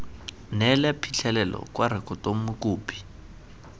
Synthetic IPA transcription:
nɛlɛpʰit͡ɬʰɛlɛlɔ̰kwaɾɪkʰʼɔtʼomʊkʼuːpʰʼi̥

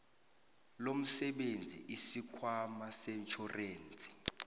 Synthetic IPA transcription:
lom̩sɛɓend͡zʱḭʔisikʰwamasɛt͡ʃʰɔreːnt͡sʼʰi̥

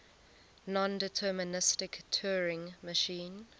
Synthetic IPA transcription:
nɔ̃ndɪtʰɜːmənɪstɪktʰɜːɹɪ̃ŋməʃĩːn

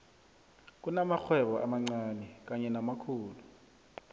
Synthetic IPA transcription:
k̬ʼunamaxʰwɛɓɔʔa̰maŋ͡ǀaːnɛk̬aɲɛnamakʰuːlu

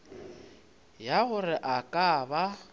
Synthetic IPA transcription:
jaɣʊrɪʔakʼaːba

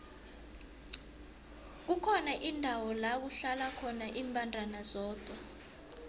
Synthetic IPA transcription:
k̬ukʰɔnaʔindʱawɔlak̬uɬalakʰɔnaʔiːmbʱʼandʱanazɔːd̥ʱwa

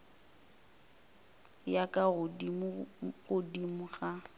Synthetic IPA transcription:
jakʼaʊdi | ɣʊdimʊɣa

